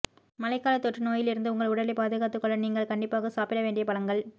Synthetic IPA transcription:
mɐlɐɪkːaːlɐt̪ːɔʈrɯnoːjɪlɪɾɯnd̪ɯʊŋɡɐɭʊɽɐlɐpaːðɯɣaːt̪ːɯkːɔɭːɐniːŋɡɐɭkɐɳɖɪpːaːɣɐsaːpɪɽɐʋeːɳɖɪjɐpɐlɐŋɡɐɭ

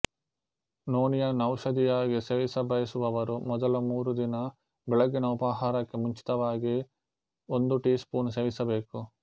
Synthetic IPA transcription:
noːnijɐnɐwʃɐd̪ijaːɡiseːʋisɐbɐjisuʋɐʋɐɾumɔd̪ɐlumuːɾud̪inɐ | bɛɭɐɡːinɐupɐɦaːɾɐkːemuɲt͡ʃi̥t̪ɐʋaːɡi | ond̪uʈiːspuːnseːʋisɐbe̞ːku

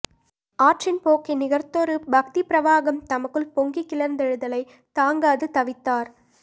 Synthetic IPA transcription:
aːʈrɪnpoːkːinɪɣɐrt̪oɾɯbɐk̚t̪ipɪɾɐʋaːɣɐmt̪ɐmɐkːɯlpɔŋɡikːɪlɐɾnd̪ɛɻɯðɐlɐɪ | t̪aːŋɡaːðɯt̪ɐʋɪt̪ːaːɾ

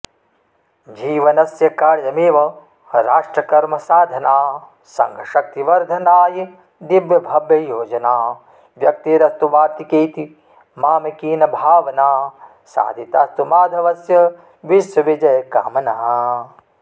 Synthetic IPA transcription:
d͡ʒiːʋɐnɐsjɐkaːɾjɐmeːʋɐ | ɾaːʂʈɾɐkɐɾmɐsaːd̪ʱɐnaː | sɐ̰̃ŋɡʱɐʃɐk̚t̪iʋɐɾd̪ʱɐnaːji | d̪ibjɐbʱɐbjɐjoːd͡ʒɐnaː | ʋjɐk̚t̪iːɾɐst̪uʋaːɾt̪ikeːt̪i | maːmɐkiːnɐbʱaːʋɐnaː | sa̰ːd̪ʱit̪aːst̪umaːd̪ʱɐʋɐsjɐ | ʋiʃwɐʋid͡ʒɐjɐka̰ːmɐnaːɦɐ

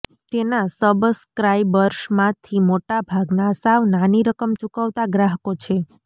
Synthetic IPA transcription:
t̪enasəbskɾaiʋəɾʃmãt̪ʰimoʈabʱaɡnasaʋnaniɾəkəmt͡ʃukəʋt̪aɡɾaɦəkot͡ʃʰe

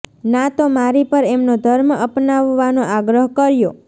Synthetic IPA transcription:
nat̪omaɾipəɾemnod̪ʱəɾməpnaʋːanoʔaɡɾəɦkəɾjo

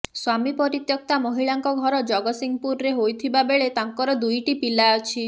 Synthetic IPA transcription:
swamipɔɾit̪jɔk̚t̪amɔɦiɭaŋkɔɡʱɔɾɔd͡ʒɔɡɔsiŋpuɾɔɾeɦojt̪ʰibabeɭet̪aŋkɔɾɔd̪ujʈipilaɔt͡ʃʰi

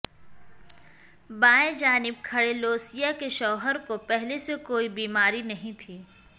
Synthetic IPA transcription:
bãːẽd͡ʒaːnɪb̚kʰɐɽeloːsijakeʃɔːɦəɾkopɛɦlesekoːibiːmaːɾinɐɦĩt̪ʰiː

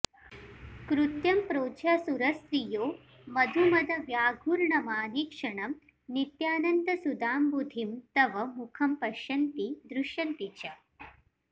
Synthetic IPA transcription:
kɾut̪jɐmpɾoːd͡ʒjaːsuɾɐst̪ɾijoː | mɐd̪ʱumɐd̪ʱɐʋjaːɡʱuɾɳɐmaːnikʂɐɳɐm | nit̪jaːnɐnd̪ɐsud̪aːmbud̪ʱimt̪ɐʋɐmukʰɐmpɐʃjɐnt̪id̪ɾuʃjɐnt̪it͡ʃɐ

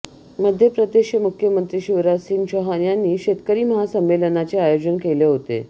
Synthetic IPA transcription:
məd̪ʱjepɾəd̪eɕəmukʰjəmənt̪ɾiːɕiʋɾasiːnɕəɦanjanːiːɕet̪kəɾiːməɦasəmʋelənat͡ɕeajod͡ʑənkeleɦot̪ḛ

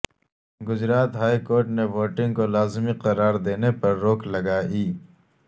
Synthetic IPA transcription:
ɡʊzɾaːt̪ɦaːikoːɾʈneʋoːʈɪ̃ŋɡkolaːzmiqɐɾaːɾd̪eːnepɐɾːoːklɐɡaːiː

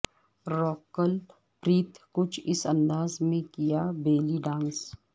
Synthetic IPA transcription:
ɾoːkəl | pɾiːt̪kʊt͡ʃʰɪsɐ̃nd̪aːzmẽkijabeːliɖãːns

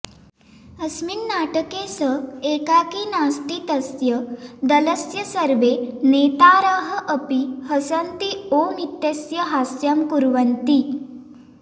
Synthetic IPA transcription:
əsminnaʈəkesəekakiːnast̪it̪əsjəd̪ələsjəsəɾʋenet̪aɾəɦəʔəpihəsant̪iomit̪jəsjəɦasjamkuɾʋənt̪i

